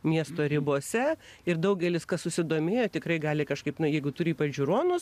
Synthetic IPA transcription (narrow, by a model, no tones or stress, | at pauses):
mʲiɛst̪oːɾʲɪboːsʲɛɪɾd̪ɐʊɡʲɛlʲɪskɐsʊsʲɪd̪oːmʲeːjoːt̪ʲɪkrɐɪɡɑːlʲɪkɐʃkɐɪpnʊjɛɪɡʊt̪ʊɾʲiːpɐd͡ʒʲʊɾoːnʊs